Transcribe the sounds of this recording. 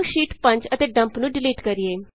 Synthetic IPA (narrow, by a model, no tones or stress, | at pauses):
ʃiːʈpəɲt͡ʃət̪eːɖə̃mpnũːɖɪliːʈkəɾieː